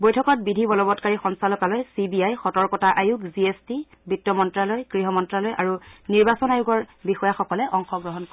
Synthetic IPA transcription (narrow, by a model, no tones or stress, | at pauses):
bojtʰɔkɔt̚bidʱibɔlɔbɔtkaɹixɔnsalɔkalojsibiajxɔtɔɹkɔtaʔajukziesti | bitːɔmɔntɹalojkɹiɦɔmɔntɹalojʔa̰ɹuniɹbasɔnajuɡɔɹbixɔjaxɔkɔlɛʔɔŋxɔɡɹɔɦɔnk